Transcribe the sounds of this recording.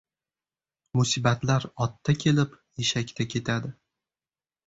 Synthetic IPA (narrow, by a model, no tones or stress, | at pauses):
mʊsibat̪laɾɒt̪ʰːakʲʰe̞lɪpjeʃakʲt̪ʰakʲʰe̞t̪ʰad̪ɪ